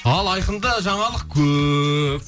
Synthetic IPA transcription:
ɑlˠɑjqənd̪ɑʒɑɴɑlˠəqkʲʰɵp̚

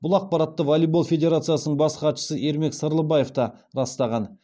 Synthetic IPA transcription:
bʊlˠɑq̚pɑɾɑt̪ːəvolˠijbo̞lˠfʲe̞d̪ʲe̞ɾat̪sɨjasənəɴbɑsqɑt̪ʃə̥səʔe̞ɾme̞ksəɾlˠəbɑje̞ft̪ɑɾɑst̪ɑʁɑn

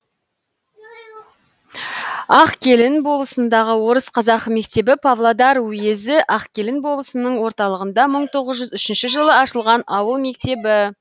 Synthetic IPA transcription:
ɑqkʲʰe̞lɪnbo̞lˠəsənd̪ɑʁəwo̞ɾəsqʰɑzɑqme̞kt̪e̞bɪpʰɑvlˠod̪ɑɾwʊje̞zɪʔɑqkʲʰe̞lɪnbo̞lˠəsənəɴwo̞ɾt̪ɑlˠəʁənd̪ɑməɴt̪ʰo̞ʁəzʒʏzʏʃɪnʃɪʒəlˠəɑʃəlˠʁɑnɑwəlˠme̞k̚t̪e̞bɪ

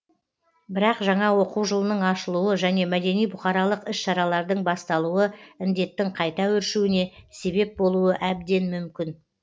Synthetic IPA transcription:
bɪɾɑqʒɑɴɑwo̞quwʒəlˠənəɴɑʃəlˠuwəʒæne̞mæd̪e̞nijbʊχɑɾɑlˠəqɪʃʃɑɾɑlˠɑɾd̪əɴbɑst̪ɑlˠuwəɪnd̪e̞t̪ːɪŋqʰɑjt̪ɑwɵɾʃuɪne̞se̞be̞p̚bo̞lˠuəʔæb̚d̪e̞nmʏmkʲɪn

